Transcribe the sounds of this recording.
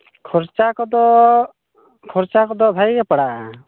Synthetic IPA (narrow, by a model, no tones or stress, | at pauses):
kʰɔɾt͡ʃakɔd̪ɔ | kʰɔɾt͡ʃakɔd̪ɔbʱajɾɛpaɽaʔa